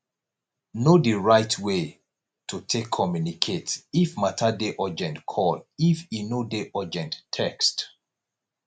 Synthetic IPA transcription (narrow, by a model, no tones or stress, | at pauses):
nodiɹaɪtʰwe | tʰutʰekʰːɔmjunikʰetifmatʰadeʔɔd͡ʒɛ̃ntkʰɔlifinodeʔɔd͡ʒɛ̃ntʰːɛkst